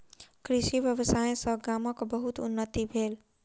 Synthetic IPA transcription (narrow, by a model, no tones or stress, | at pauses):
kɾɪʃiʋjəʋəsaːẽsə̃ɡaːməkbəɦut̪ʊ̰nːət̪ibʱeːl